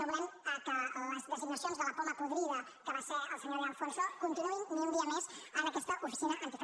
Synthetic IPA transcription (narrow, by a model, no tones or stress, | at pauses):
əβɾɛməkələzðəziɡnəsionzðələpoməpuðɾiðə | kəβaseəlˠsəɲoɾalfonsokunt̪inuinniund̪iəmezənəkɛst̪əʔufisinəʔənt̪if